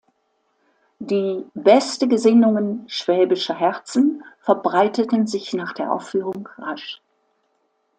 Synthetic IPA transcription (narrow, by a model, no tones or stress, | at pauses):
d̥iːbɛstəɡəzɪnʊŋənʃv̥ɛːbɪʃɐɦɛt͡sn̩fɛɐbʁaɪtətn̩zɪçnaːχd̥eːɐʔa̰ʊfyːʁ̞ʊŋʁaʃ